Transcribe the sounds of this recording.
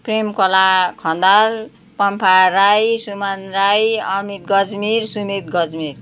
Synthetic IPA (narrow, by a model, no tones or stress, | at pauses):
primkʌlakʰʌnd̪al | pʌmpʰaɾajsumanrajʌmit̪̚ɡʌd͡zmiɾsumit̪̚ɡʌd͡zmir